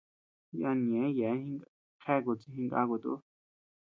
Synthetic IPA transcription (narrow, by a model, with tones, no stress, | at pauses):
ja˧nĩ˨ẽ˨˦jɛ˨˦hĩ˧ŋ | kʰɛ˦ko˨t͡si˧ɦĩ˧ŋɡa̰˧ko˨t̪ṵ˧˦